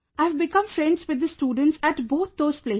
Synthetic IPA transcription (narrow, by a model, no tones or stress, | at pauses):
aɪəʋbɪkʌ̃mfɾɛ̃ɳɖzʋɪd̪ːəsʈuːɖə̃ɳʈsæʈboːt̪̚ʰd̪oːz̥pleː